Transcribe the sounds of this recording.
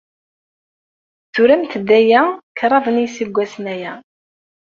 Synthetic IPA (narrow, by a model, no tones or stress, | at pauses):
θʊɾæmt̪əd̪ːæjækɾˤɑðˤənijsiɡʷːæsnæjæ